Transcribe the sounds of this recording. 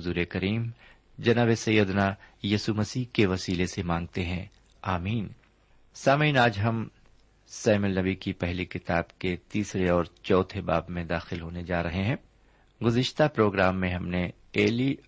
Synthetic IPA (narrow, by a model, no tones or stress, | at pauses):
zuːɾekɐɾiːm | d͡ʒɐnaːbesɐjːəd̪najiːsumɐsiːkeʋɐsiːlesemãːŋɡ̚t̪eɦɛ̃ | aːmiːn | saːmiːnaːd͡ʒɦɐm | sɛːmɪlnɐbikipɛɦlikɪt̪aːbket̪iːsɾeɔːɾt͡ʃɔːt̪ʰebaːbmẽd̪aːxɪlɦoːned͡ʒaːɾɐɦeɦɛ̃ː | ɡʊzɪʃt̪apɾoːɡɾaːmːẽɦɐmne | eːli